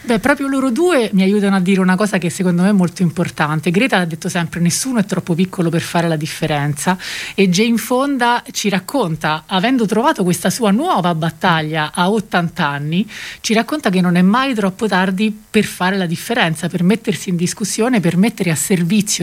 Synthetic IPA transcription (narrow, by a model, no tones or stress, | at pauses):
bɛpːɾɔːpɾjoloːɾod̪uːemiajuːt̪̬anoad̪ːiːɾeunakɔːzakeɛsːekond̪omeɛmːolt̪oimport̪ant̪eɡɾɛːt̪ad̪ːet̪ːosɛmpɾenesːuːnoɛt̪ːɾʔɔpːopikʰːoloperfaːɾelad̪ifːeɾɛnt̪saed͡ʒeiɱfond̪at͡ʃiɾakːont̪aːvɛnd̪ot̪ɾovaːt̪okwest̪asuːanwɔːvabat̪ːaʎːaʔaot̪ːant̪anːit͡ʃiɾakːont̪ak̬enːonɛmːajt̪ɾɔpːot̪ard̪iperfaːɾelad̪ifːeɾɛnt̪sapermet̪ːersiːnd̪iskusːjoːnepermet̪ːeɾeasːervit̪sːjo